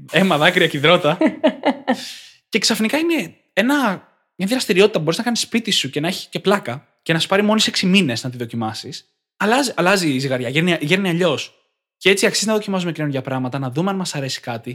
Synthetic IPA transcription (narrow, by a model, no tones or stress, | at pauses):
emɐðɐkɾiɐciðɾo̞t̪ɐ | ce̞ksɐfnikɐine | e̞nɐ | mɲɐðiɾɐst̪iɾio̞t̪it̪ɐpubo̞ɾiznɐkɐnisːpit̪isuce̞nɐeçi̥sce̞plɐkɐ | ce̞nɐsu̥pɐɾimo̞niseksimine̞znɐt̪iðo̞cimɐsis | ɐlɐziʔɐlɐziziɣɐɾʝɐʝeniɐʝeɾniɐʎo̞s | cee̞t͡siɐksiznɐðo̞cimɐs̬umeineunʝɐpɾɐɣmɐt̪ɐnɐðumeɐnmɐsɐɾe̞si̥kɐt̪i